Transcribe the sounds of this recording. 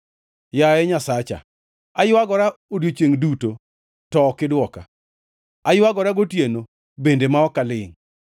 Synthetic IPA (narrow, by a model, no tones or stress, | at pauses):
jaɛɲasat͡ʃa̰ | ajʊwaɡɔɾaodjot͡ʃeŋduto | tɔkɪdwɔka̰ | ajʊwaɡɔɾaɡotjeno | bendemaɔkalɪŋ